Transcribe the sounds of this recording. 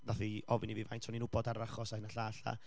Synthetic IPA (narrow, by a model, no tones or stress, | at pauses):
ðaθiɔvɪnivivajntʰɔniːnʊbɔdaɾaχɔsahɪnaɬaːɬa̰